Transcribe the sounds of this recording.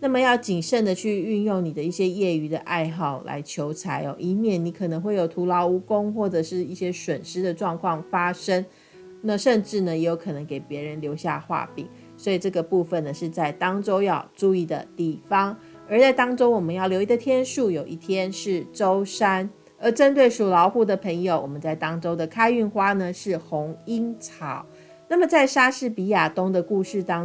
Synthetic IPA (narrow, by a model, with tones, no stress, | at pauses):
na˥˩mə˨jɑ˥˩ʊt͡ɕi˨˩ŋʂə˥˩nd̪ə˨t͡ɕʰy˥˧y˥˧njʊ˥˩ŋni˨˩d̪ə˦i˥˩ɕjɛ˦˥jɛ˥˩y˧˥d̪ə̰˨ʔa˥˧ɪxɑ˥˩ʊla̰˧˥ɪt͡ɕʰjo˧˥ʊt͡sʰa˧˥ɪɔ̰˨˩ʔi˧˥mjɛ˥˩ni˧˥kʰɤ˨˩nə˧˥ŋxwe˥˩jo˨˩ʊt̪ʰu˧˥lɑ˧˥ʊu˥ko˥ŋxwɔ˥˩ʈ͡ʂɤ˨˩ʂɻ̩˥˧i˥˩ɕjɛ˥ʂwə˨˩nʂɻ̩˥d̪ə˨ʈ͡ʂwɑ˥˧ŋkʰwɑ˥˩ŋfa˥ʂə˥ŋ | na˥˧ʂə˥˧nʈ͡ʂɻ̩˥˩nə˩jɛ˧˥jo˧˥ʊkʰɤ˨˩nə˧˦ŋke˨˩ɪpjɛ˧˥ɻə˧˦nljo˧˥ʊɕja̰˥˧xwa̰˥˩pḭ˨˩˦ŋ | swɔ˧˥i˨˩ʈ͡ʂɤ˥˩ɡə˩pu˥˧fə˨nd̪ə˩ʂɻ̩˥˧t͡sa˥˩ɪt̪ɑ˥ŋʈ͡ʂo˥ʊjɑ˥˧ʊʈ͡ʂu˥˧i˥˩d̪ə̰˩t̪i˥˨˩fɑ˦ŋ | ə˞˧˥t͡sa˥˩ɪt̪ɑ˥ŋʈ͡ʂo˥ʊwɔ˨˩mə˦njɑ˥˩ljo˧˥ʊi˧ɡə˧t̪ʰjɛ˥nʂu˥˩jo˨˩ʊʔi˥˩t̪ʰjɛ˦˥nʂɻ̩˥˩ʈ͡ʂo˥ʊʂa˥n | ə˧˥ʈ͡ʂə˥nt̪we˥˩ɪʂu˨˩lɑ˧˥ʊxu˥˩d̪ə˩pʰə˧˥ŋjo˨ʊwɔ˨˩mə˦nt͡sa˥˩ɪt̪ɑ˥ŋʈ͡ʂo˥ʊd̪ə˨kʰa˥ɪy˥˩nxwa˥nə˨ʂɻ̩˥˩xʊ˧˦˥ŋi˦˥ŋt͡sʰɑ˨˩˦ʊ | na˥˩mə˨˩t͡sa˥˩ɪʂa˥ʂɻ̩˥˩pi˧˥ja˨˩t̪ʊ˥ŋd̪ə˨ku˥˧ʂɻ̩˥˩t̪ɑ˥